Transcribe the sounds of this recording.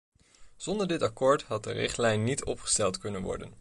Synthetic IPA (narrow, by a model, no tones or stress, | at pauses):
z̥ɔndəɹdɪtɑkoːɹtɦɑt̚dərɪ̰χtlɛjnːitʰɔ̰pχə̥stɛlˠtkɵnənʋɔ̰ɹdə̰n